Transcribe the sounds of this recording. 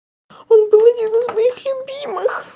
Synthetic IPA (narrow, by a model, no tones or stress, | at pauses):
o̞nbɨlˠɐdʲinɨzmɐixlʲʊbʲimɨx